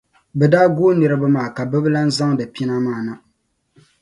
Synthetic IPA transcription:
bɛ˨daː˦ɡoː˦nɨ˨ɾɨ˦bɨ˦maː˨ka˨bɨ˦bɨ˦la˦n̩˦za˦ŋdɨ˨pi˦na˦maː˨na˨

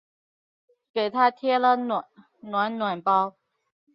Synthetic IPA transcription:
ke˨˩ɪt̪ʰa˥t̪ʰjɛ˥lə˨ | nwa˧˥nnwa˨˩npɑ˥ʊ

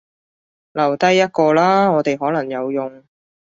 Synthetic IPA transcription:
lɐ˨˩wt̪ɐ˥jːɐ˥t̚kɔː˧laː˥ŋɔː˨˧t̪e˨jɦɔː˨˥lɐ˨˩ŋjɐ˨˧wjʊ˨ŋ

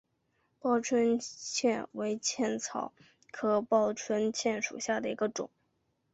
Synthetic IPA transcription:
pɑ˥˧ʊʈ͡ʂʰwə˥nt͡ɕʰjɛ˥˩nwe˧˥ɪt͡ɕʰjɛ˥˩nt͡sʰɑ̰˨˩ʊ | kʰɤ˧˥˩pɑ˥˧ʊʈ͡ʂʰwə˥nt͡ɕʰjɛ˥˩nʂṵ˨˩ɕja˥˩d̪ə˩i˧˥ɡə˧ʈ͡ʂʊ̰˨˩˦ŋ

